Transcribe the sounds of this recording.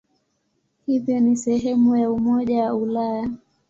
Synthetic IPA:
hivjɔnisɛɦɛmujaumɔʄawaulaja

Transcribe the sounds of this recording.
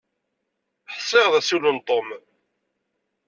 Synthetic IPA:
ħsˤːɪʁðæsulənt̪ˤom

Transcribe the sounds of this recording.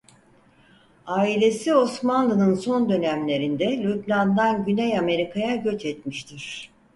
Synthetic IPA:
aːilʲe̞sio̞smanlˠɯnɯnso̞nd̪ø̞næmlʲe̞ɾind̪ɛlʲyt̚nand̪anɟynɛjame̞ɾikʰajaɟø̞t͡ʃɛt̪miʃt̪ʰiɾ̥

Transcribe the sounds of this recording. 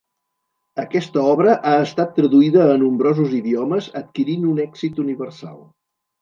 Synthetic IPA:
əkɛst̪əɔβɾəʔaəst̪at̪ːɾəðuiðəːnumbɾɔzuziðiɔməzət̪̚kiɾinunɛɡz̥it̪uniβərsa̰lˠ

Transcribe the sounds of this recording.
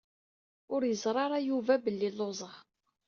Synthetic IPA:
ʊɾjəzˤɾˤɑɾˤɑjuvæbəlːilːozˤəʁ

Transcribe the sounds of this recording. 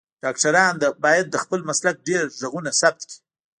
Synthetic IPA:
ɖ̥ɑkʈaɾɑnd̪abɑjad̪̚ːəxpəlmaslak̚ɖeɾʒaɣunasab̚t̪̚ki̥

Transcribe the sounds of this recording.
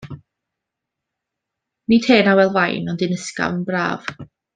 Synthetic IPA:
nitʰeːnawɛlˠvajnɔndɪnəska̰vənbra̰ːv̥

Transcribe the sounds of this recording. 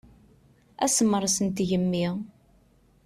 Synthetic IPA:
æsəmːəɾˤsənt̪ʝəmːi

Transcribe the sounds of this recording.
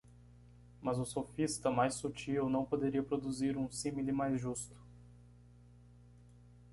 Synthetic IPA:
mɐzʊsofist̪ɐmajsut͡ʃiwnɐ̃w̃pod̪eɾiɐpɾod̪uziɾũsĩmilɪmajzʒust̪ʊ̥

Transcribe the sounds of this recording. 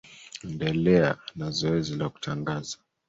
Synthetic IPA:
ɛndɛlɛanazɔɛzilaku̥tʰaŋɡaza

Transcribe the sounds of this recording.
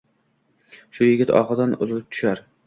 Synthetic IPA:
ʃʊjɪɡʲɪt̪ʰɒ̰qɨd̪anʊzlɪp̚t̪ʰʊ̥ʃaɾ

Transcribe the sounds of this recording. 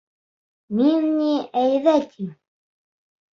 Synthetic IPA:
minniæjðæt̪ʰiŋ

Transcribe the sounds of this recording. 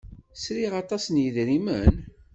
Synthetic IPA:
sɾiʁɑt̪ˤɑsənjəðɾimən

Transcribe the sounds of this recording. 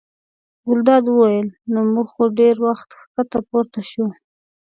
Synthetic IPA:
ɡʊld̪ɑd̪wəwajəlnomuɡxoɖeɾwaxt̪xkat̪apoɾt̪aʃu

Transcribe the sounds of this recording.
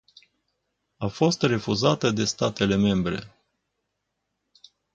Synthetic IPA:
afo̞st̪re̞fuzat̪əd̪e̞st̪at̪e̞le̞me̞mbɾe̞̰

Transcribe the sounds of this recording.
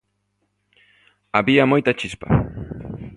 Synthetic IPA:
abiamojt̪at͡ʃɪspa̰

